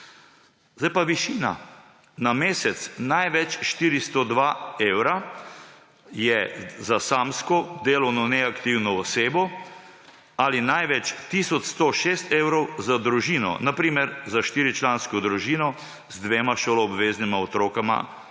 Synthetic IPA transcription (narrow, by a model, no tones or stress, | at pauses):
zdajpaʋiʃiːna̰ | nameːsɛt̪snajʋɛt͡ʃʃt̪iːɾist̪ɔd̪ʋaeːwɾa | jɛzasaːmskɔd̪eːlɔwnɔnɛakt̪iwnɔːseːbɔ | alinajʋɛt͡ʃt̪iːsɔt͡ʃst̪oʃeːst̪eːwɾɔwzad̪ɾuʒiːnɔ̰napɾiːmɛɾzaʃt̪iːɾit͡ʃlaːnskɔd̪ɾuʒiːnɔ | zd̪ʋeːmaʃoːlɔːbʋeːznimaɔt̪ɾoːkama̰